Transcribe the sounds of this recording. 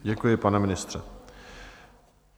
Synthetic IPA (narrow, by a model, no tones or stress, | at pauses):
ɟɛkujɪpanɛmɪnɪst̪r̥ɛ